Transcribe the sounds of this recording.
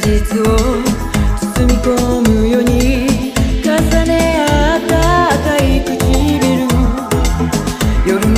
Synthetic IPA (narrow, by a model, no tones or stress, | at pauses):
d͡ʑit͡sɨo̞ | t͡sɨ̥t͡sɨmʲiko̞mɯjo̞ɲ̟i | kãsaneat̪akaipɯt͡ɕibeɾɯ | jo̞ɾɯ̟